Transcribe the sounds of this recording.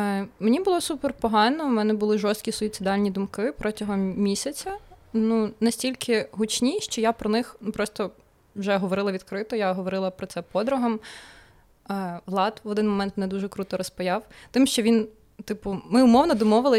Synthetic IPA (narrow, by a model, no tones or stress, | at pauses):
menʲibʊlˠɔsupɛrpɔɦɑnɔmɛnɛbʊlˠɪʒɔst̪kʲisɔit̪sɨd̪ɑlʲnʲid̪ʊmkɪpɾɔtʲɐɦɔmmʲisʲɐt͡sʲɐnunɐsʲtʲilʲkʰɪɦʊt͡ʃnʲiʃt͡ʃɔjapɾɔnɪxnupɾɔst̪ɔ | wʒɛɦɔʋɔɾɪlˠɐʋʲid̪kɾɪt̪ɔjaɦɔʋɔɾɪlˠɐpɾɔtsɛpɔd̪ɾʊɦɐm | ʋlˠɑt̪ʋɔd̪ɪnmɔmɛnt̪mnɛd̪uʒɛkɾut̪ɔɾɔspɐjɑwt̪ɪmʃt͡ʃɔʋʲin | t̪ɪpʊmɪʊmɔwnɔd̪ɔmɔʋɪlˠɪ